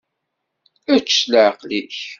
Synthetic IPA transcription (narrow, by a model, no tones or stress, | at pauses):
æt͡ʃːləʕqliç